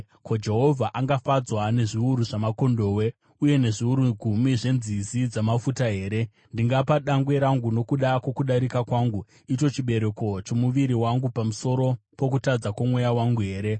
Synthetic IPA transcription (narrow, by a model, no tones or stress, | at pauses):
kod͡ʒe̞ɦo̞vʱaʔaŋɡafad͡zwane̞ʐiuɾuʐamako̞ndo̞ːwe̞ | uje̞ne̞ʐiuɾuɡʱumiʐe̞nzizid͡zamafutaɦe̞ːɾe̞ | ndiŋɡapaɗaŋɡwe̞ɾaŋɡuno̞kuɗakwo̞kuɗaɾikakwaːŋɡu | ito̞t͡ʃiɓe̞ɾe̞ko̞t͡ʃo̞muʋiɾiwaŋɡupamuso̞ɾo̞po̞k̬utad͡zakwamwe̞jawaŋɡuɦe̞ːɾe̞